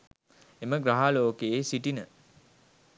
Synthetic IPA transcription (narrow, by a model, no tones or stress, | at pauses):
eməɡɾaɦaloːkeːsiʈinə